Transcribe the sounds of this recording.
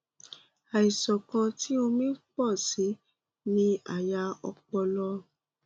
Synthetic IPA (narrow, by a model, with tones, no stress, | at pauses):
a˨i˨sɔ˨kã˧ti˦o˧mĩ˦k͡pɔ˦˨si˨˦ | nĩ˦a̰˨ja˧ɔ̰˧k͡pɔ˧lɔ˦